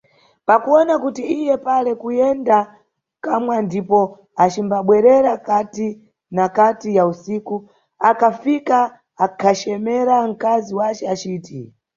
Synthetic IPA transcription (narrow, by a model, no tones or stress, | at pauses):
pakuɔnakutiijɛpalɛkujɛnda | kamwandipɔ | at͡ʃimbaɓwɛɾɛɾakati | nakatijausiːku | akʰafika | akʰat͡ʃɛmɛɾaŋ̩kaziwat͡ʃɛat͡ʃiːti